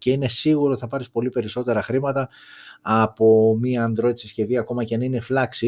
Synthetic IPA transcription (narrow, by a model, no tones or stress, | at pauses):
ceine̞siɣuɾo̞i̥θɐpɐɾispo̞lipe̞ɾiso̞t̪e̞ɾɐxɾimɐt̪ɐː | po̞miɐːnd̪ɾo̞t̪isi̥sce̞viɐko̞mɐcenineflɐksi